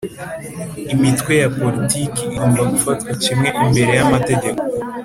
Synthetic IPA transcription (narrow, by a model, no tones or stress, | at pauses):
imitwe̞japo̞litikiːhoːnbaɡufatkwacimŋe̞ʔimbe̞ɾe̞jamate̞ɟe̞ko